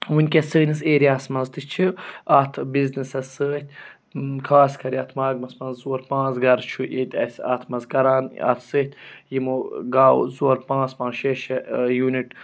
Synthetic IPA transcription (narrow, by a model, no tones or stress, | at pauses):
wunʲkʲesəːniseːɾijaːsmɐnzt̪ɨt͡ʃʰiat̪ʰbiznisɐsəːt̪̚ʲ | kʰaːskʰɐɾiɐt̪ʰmaːɡmɐsmɐnzzuɐɾpãːsɡɐɾt͡ʃʰuʔet̪ʲɐ̰sa̰t̪ʰmɐzkɐɾaːnɐ̰t̪ʰsɨːt̪ʲjimuɡaːw̰zuɐɾpãːsmãːʃeʃɐjuːniʈ